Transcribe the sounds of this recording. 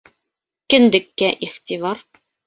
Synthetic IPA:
kɘ̆nd̪ɘ̆kːæʔiχt̪ʲivɑɾ

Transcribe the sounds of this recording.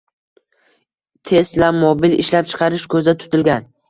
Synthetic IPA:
t̪ʰe̞st̪lamobɪlɪ̰ʃlap̚t͡ʃʰɨ̥qʰɑɾɪʃkʰɵzat̪ʰʊ̥t̪ʰɪlɡʲan

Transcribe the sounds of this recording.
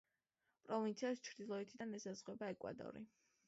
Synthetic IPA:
pʼɾɔvint̪sʰiast͡ʃʰɾd̪ilˠɔɛt̪ʰid̪anɛsazʁwɛbaɛkʼwa̰d̪ʼɔ̰ɾḭ

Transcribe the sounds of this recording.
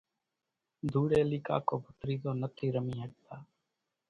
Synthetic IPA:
d̪ʱuːɽeːliːka̰ːkoːbʱət̪ɾiːzoːnət̪ʰiːɾəmiːɦəɡ̚t̪aː

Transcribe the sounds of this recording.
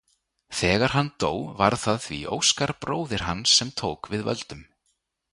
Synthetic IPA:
θɛːɣaɾ̥ɦanːt̪oːwvaɾ̥θaðθvḭʔowskaɾpɾoːwðɪɾ̥ɦanːsːɛmt̪ʰowkvɪðvœ̰lt̪ʏm

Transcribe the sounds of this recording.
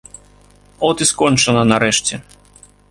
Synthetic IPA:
ɔt̪ɨskɔnʲt͡ʂɐnɐnɐɾɛʂt͡sʲɛ

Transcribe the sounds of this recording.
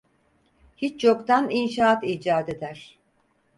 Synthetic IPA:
hit͡ʃt͡ʃʰokt̪aninʃaːat̪id͡ʒaːd̪e̞d̪æɾ̥

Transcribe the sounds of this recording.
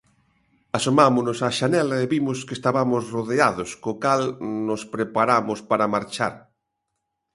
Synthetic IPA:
asomamʊnʊsaʃanɛlaeβimʊskest̪aβamʊsroðeaðoskokalnospɾepaɾamʊspaɾamaɾt͡ʃa̰ɾ

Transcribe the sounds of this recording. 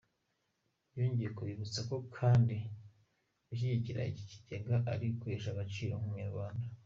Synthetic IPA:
joːɲɟijekuβiβut͡sako̞kʰaːndi | uç̬iɟiciɾa̰ici̥ci̥ɟeɡaʔaɾikweːʃaɡat͡ʃiːɾoŋhumaβaːnda

